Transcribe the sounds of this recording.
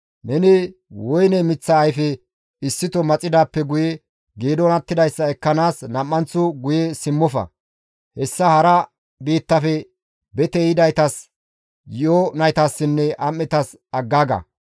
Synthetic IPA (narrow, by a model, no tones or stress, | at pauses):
nɛnɪwɔjnɛmɪt͡sːɐːjfɛ | ɪsːɪt̪ɔmɐt͡sʼːɪd̪aːpːɛɡʊjɛ | ɡeːd̪ɔnɐt̪ːɪd̪ɐjsːɐɛkːɐnaːsnɐmːɐnt͡sːʊɡʊjɛsɪmːɔfɐ̰ | hɛsːɐhɐɾɐ | biːt̪ːɐfɛ | bɛt̪ɛjɪd̪ɐjt̪ɐs | jɪʔɔnɐjt̪ɐsːɪnːɛʔɐmːɛt̪ɐs | ɐɡːaːɡɐ̰